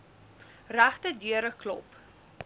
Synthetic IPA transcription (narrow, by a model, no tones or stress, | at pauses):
ræχtədyəɾəklɔ̰p